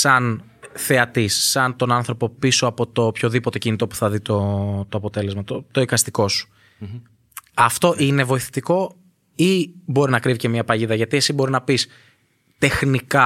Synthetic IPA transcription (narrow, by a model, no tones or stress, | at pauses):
sɐn | θe̞ɐt̪isːɐnt̪o̞nɐnθɾo̞po̞piso̞ɐpo̞t̪o̞pço̞ðipo̞t̪e̞cinit̪o̞pu̥θɐðit̪o̞t̪o̞ɐpo̞t̪e̞le̞zmɐt̪ot̪o̞ikɐst̪iko̞su̥ | ɐft̪o̞ʔine̞vo̞iθe̥t̪iko̞ | ibo̞ɾinɐkɾivice̞mɲɐpɐʝiðɐʝɐt̪ie̞sibo̞ɾinɐpis | t̪e̞xnikɐ